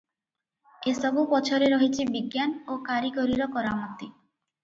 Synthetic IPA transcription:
esɔbupɔt͡ʃʰoɾeɾoɦit͡ʃʰibiɡjanokaɾikoɾiɾɔkɔɾamɔt̪i

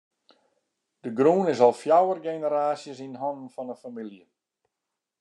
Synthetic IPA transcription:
d̥əɡruːnɪsɔlˠfjawərɡenəɾaːsjəsinɦɔnn̩fɔnəfamilˠjə

